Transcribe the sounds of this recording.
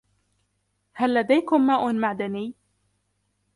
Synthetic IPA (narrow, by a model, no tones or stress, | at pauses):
halːad̪ajkʊmːaːʔʊmaʕd̪anɪj